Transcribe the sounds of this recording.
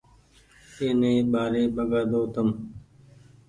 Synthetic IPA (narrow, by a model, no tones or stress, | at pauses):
eːnẽːɓaːɾeːɓəɡaːd̪oːt̪əm